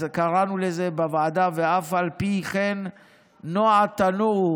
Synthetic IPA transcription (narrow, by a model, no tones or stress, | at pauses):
kaʁanulezebavaad̪aveafalpiχenː | oat̪anu